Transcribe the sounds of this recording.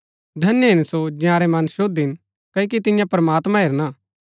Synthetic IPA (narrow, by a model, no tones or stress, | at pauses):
d̪ʱɐnjəɦɪnsod͡ʒjãːɾɛmɐ̃nʃod̪ɪn | kɐk̬it̪ɪ̃jãpɾɐmaːt̪mãɦeːɾna